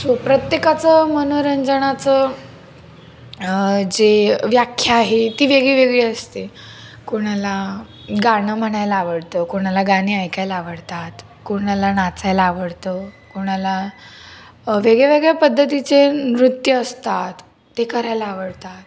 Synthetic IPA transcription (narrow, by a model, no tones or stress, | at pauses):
sʋəpɾət̪jekat͡səmənuɾənd͡zəɽ̃at͡sə | d͡zeʋjakʰːjaːɦet̪iːʋeɡɭiʋeɡɭeəst̪e | kuɽ̃ala | ɡaɳəm̤əɽajlaaʋəɽt̪əkuɽ̃alaɡaniːajkajlaaʋəɽt̪at̪ | kuɽ̃alanat͡sajlaːʋəɽt̪əkuɽ̃ala | ʋeɡɭeʋeɡɭjapəd̪ʱːət̪it͡senɾut̪jəːst̪at̪ː | ekəɾajlaːʋəɽt̪at̪